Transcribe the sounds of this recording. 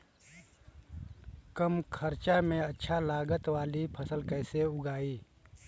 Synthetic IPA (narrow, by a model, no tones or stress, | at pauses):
kəmkʰəɾt͡ʃamẽɐtːʃʰalaːɡət̪waːlipʰəsəlkɛːseʊɡaːiː